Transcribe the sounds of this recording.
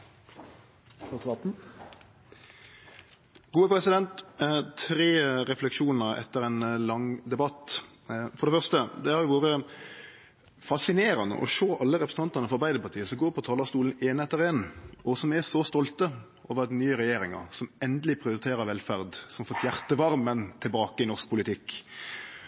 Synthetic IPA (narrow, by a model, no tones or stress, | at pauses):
ɡ̥uːəpɾɛsɪd̪ɛnt̪t̪ʰɾeːɾɛflɛkʂuːnəɾɛ̰t̪ːəɾɛnlɑŋd̪ɛbɑt̪ː | fɔɾɖ̪ɛfœʁst̪əd̪ɛhɑɾjʊʋuːɾə | fɑsɪneːɾɑnd̪ə̰ʔɔ̰ʃoːʔɑlːəɾɛpɾsn̩t̪ɑnt̪ɑɾnəfɔɾbæɪd̪əɾpɑt̪ʰiːəsɔɡoːɾpʰɔt̪ʰɑːlɑst̪uːln̩eːnɛt̪ːəɾɪɛnːɔsɔmɛsɔst̪ɔlt̪ə | ʔoːʋəɾɑd̪nyːəɾɛjeːɾɪŋɑ̰ɾsɔmɛnd̪əlɪpʰɾɪʊɾɪt̪ʰeːɾəʋɛlfæɾd̪sɔmɑɾfɔt̪ːjæʁt̪əʋɑɾmːənt̪ʰɪlbɑːkəɪnɔʁsk̚pʰʊlɪt̪ʰɪkː